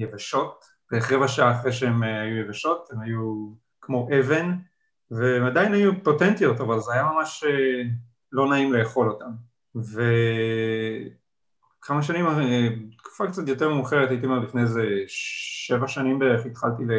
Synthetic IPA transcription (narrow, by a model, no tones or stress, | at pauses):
jevaʃo̞t̚ | b̥eχʁevaʃaʔaːχʁeʃeemajujevaʃo̞temhaju | kmo̞ʔeve̞n | veːmadajinajupo̞tentijo̞tavalzeajamamaʃe | lo̞naimle̞ːχo̞lo̞tam | ve | kʰamaʃ̬animtku̥fakt͡sat̪jo̞teʁmeuχeʁetait̬imlifneze | ʃevaʃanimbeeeχit̪χaltile